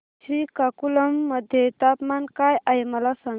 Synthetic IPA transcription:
sɾikakulɐmːɐd̪ʱjet̪apmankajɐjmɐlasɐ

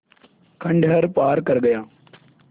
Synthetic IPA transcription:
kʰɐ̃ɳɖɦɐɾpaːɾkɐɾɡɐjaː

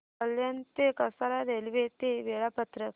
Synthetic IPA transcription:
əljant̪ekəsalad̪ʱelʋet̪eʋeɭapət̪ɾə

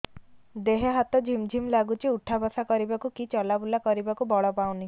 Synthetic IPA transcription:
d̪eɦeɦat̪ɔd͡ʒʱimd͡ʒʱimlaɡut͡ʃʰiuʈʰabasakɔɾibakukit͡ʃɔlabulakɔɾibakubɔɭɔpaw̃ni

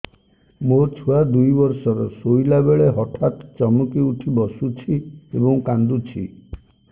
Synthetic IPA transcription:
mot͡ʃʰuad̪ujbɔɾsɔɾɔsojlabeɭeɦɔʈʰat̪t͡ʃɔmukiuʈʰibɔsut͡ʃʰiebɔŋkand̪ut͡ʃʰḭ

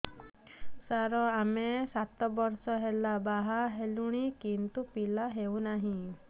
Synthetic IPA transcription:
saɾɔamesat̪ɔbɔɾsɔɦelabaɦaɦeluɽ̃ikint̪upilaɦewnaɦĩ

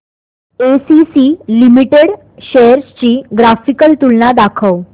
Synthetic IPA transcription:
esisiːlimiʈeɽ | ɕejəɾst͡ɕiːɡɾafikəlt̪ulnad̪akʰəw

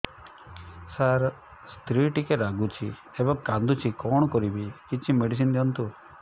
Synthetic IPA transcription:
saɾ | st̪ɾiʈikeɾaɡut͡ʃʰi | ebɔŋkand̪ut͡ʃʰikɔɽ̃ɔkɔɾibikit͡ʃʰimeɖis̬ind̪iɔnt̪u

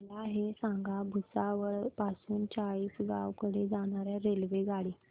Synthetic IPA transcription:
laːɦesãŋɡʱabʱusaʋəɾpasuːnt͡ɕaiːsɡawkəɽed͡zaɽ̃aɾjaɾelʋeɡaɽi

